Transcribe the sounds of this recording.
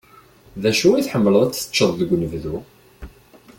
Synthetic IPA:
ðæʃuiθħəmːələðˤæt͡sːə̥t͡ʃːəðˤðəɡʷnəvðu

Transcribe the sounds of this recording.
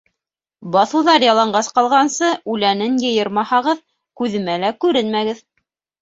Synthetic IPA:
bɑθɤ̆wðɑɾjɑlˠɑɴɢɑsqɑlˠʁɑnsɤʉlænɘnjɤ̆jɤɾmɑhɑʁɤð | kʉðɘ̆mælækʉɾɘnmæɡɘð

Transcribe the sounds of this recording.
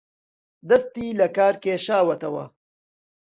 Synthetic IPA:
d̪ɐst̪iːlɐkaːɾkeːʃaːwɐt̪ɐwɐ̰

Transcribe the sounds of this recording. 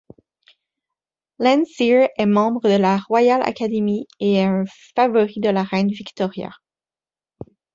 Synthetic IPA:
lɛ̃nsiɹɛmɑ̃bʁəd̪əlaʁwajala̰kʲad̪emieɛə̃favɔʁid̪əlaʁɛnvikt̪ɔʁja̰

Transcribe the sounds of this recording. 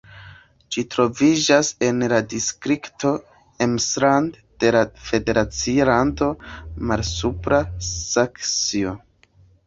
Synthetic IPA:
d͡ʒitɾo̞vid͡ʒase̞nladiskɾikto̞ | emsɾand | d̥e̞lafe̞de̞ɾat͡sialando̞maɾsupɾasaksio

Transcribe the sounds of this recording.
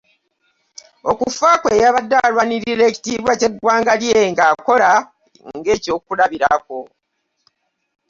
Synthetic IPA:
o̞kufaːkwe̞jaβadːalwaniɾiɾe̞ːci̥tiːβwace̞ɡwaːŋɡaljeŋɡaːko̞la | ŋɡe̞ːco̞ːkulaβiɾako̞

